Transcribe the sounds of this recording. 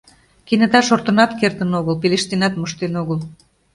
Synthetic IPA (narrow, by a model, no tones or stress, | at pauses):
kinə̆t̪ɑʃort̪ənɑt̪kert̪ənoɣəlpeleʃt̪enɑt̪məʃt̪enoɣəl